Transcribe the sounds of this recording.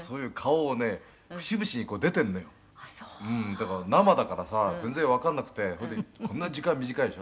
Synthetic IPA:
so̞ːjɯ̟ːkʰaoːne̞ | ɸɯ̟̥ɕibɯ̟ɕiɲ̟ikoːd̪e̞t̪ẽnːo̞jo | ɯ̟̃ɴd̪akaɾanamad̪akaɾasazẽ̞nd͡zẽβakãnːakɯ̟̥t̪e̞hod̪ekʰonːad͡ʑikãmmʲiʑikaid̪ɕo

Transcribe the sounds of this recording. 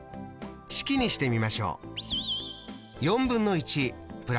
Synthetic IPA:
ɕi̥kʲiɲ̟iɕi̥t̪e̞mʲimaɕo̞̰ː | jõ̞mbɯ̟̃nːo̞it͡ɕipɯ̟ɾa

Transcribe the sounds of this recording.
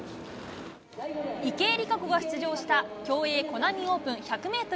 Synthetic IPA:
ike̞ːɾʲikakoɡaçɨ̥t͡sɨʑo̞ːɕi̥t̪akʲo̞ːe̞ːko̞namʲio̞ːpɯ̟̃ɰ̃çakɯ̟me̞ːt̪o

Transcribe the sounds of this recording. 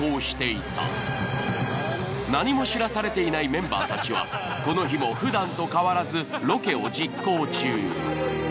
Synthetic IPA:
o̞ːɕi̥t̪e̞it̪a̰ | naɲ̟imo̞ɕiɾasaɾe̞t̪e̞inaimẽ̞mba̰ːt̪at͡ɕiβa̰ko̞no̞çimo̞ɸɯ̟d̪ãnt̪o̞kaβaɾazɨɾo̞ke̞o̞d͡ʑikːo̞ːt͡ɕɨː

